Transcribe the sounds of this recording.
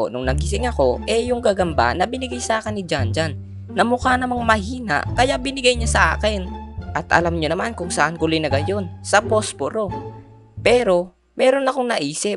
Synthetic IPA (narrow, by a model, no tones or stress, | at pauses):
nʊŋnɐɡɪsɪŋɐko̞ʔɛjʊŋkaːɡɐmba̰nɐbɪnɪɡajsɐʔaːkɪnːɪd͡ʒand͡ʒanː | ɐmʊkanɐmaŋmɐɦiːna̰ʔkɐjaʔbɪnɪɡajɲasɐʔa̰ːkɛnʔɐt̪ʔɐ̰lamɲonɐmankʊŋsɐʔankʊlojnɐɡɐjo̞nsɐpospoɾo̞ | pɛːɾo̞ | mɛːɾo̞nɐkoŋnɐʔiːsɪ